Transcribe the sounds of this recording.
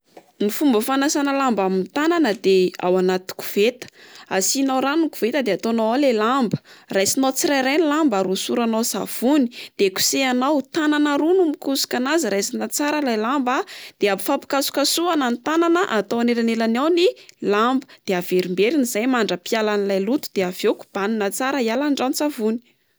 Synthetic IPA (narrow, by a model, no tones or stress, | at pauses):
nifumbəfanasanəlambamint̪ananəd̪ea̰wanat̪u̥ku̥v̥et̪ə̥asinawɾanuku̥vet̪əd̪eat̪onawalelambə̥rajsinat͡siɾajɾajnilambaɾusuɾanawsa̰v̥uni̥d̪̥eku̥seanawt̪ananaɾunumikusu̥kanaziɾajsinat͡saɾəlajlambad̪̥eabifapi̥kasu̥kasuanant̪ananəʔat̪owanelanelanawnilambə̥d̪̥eav̥eɾimbeɾinizajmaɳɖ͡ʐəpialanilajlut̪u̥d̪eavewku̥b̥aninat͡saɾəialaɳɖ͡ʐanit͡savuni̥